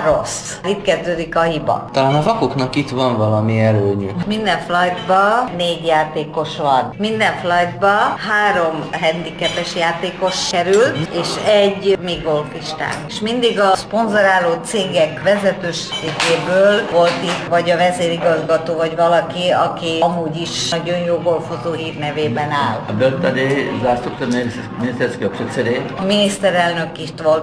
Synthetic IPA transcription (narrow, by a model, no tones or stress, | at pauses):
ro̰s | iːt̪kɛzd̪øːd̪ikɒhibɒ̰t̪ɒlaːnɒvɒkoknɒkit̪vɒɱvɒlɒmiɛløːɲy̰mind̪ɛɱflɒjd̪bɒneːɟjaːt̪eːko̞ʃʋɒnmind̪ɛɱflɒjd̪bɒɦaːɾo̞mɦɛnd̪ikɛpɛʃjaːt̪eːko̞ʃkɛɾylt̪eːʃɛɟːmiɡolfiʃt̪a̰ːniʃmind̪iɡɒspo̞nzoɾaːloːt̪seːɡɛkʋɛzɛt̪øːʃseːɡeːbøːlvo̞lt̪it̪vɒɟɒvɛzeːɾiɡɒzɡɒt̪oːvɒɟvɒlɒkiɒkiɒmuːɟiʃnɒɟo̞njoːɡo̞lfozoːɦiːrnɛveːbɛnaːlbølt̪ːad̪ezast̪okt̪oɾme | minist̪ɛɾskoksosed̪eminist̪ɛɾɛlnøkit̪ʋol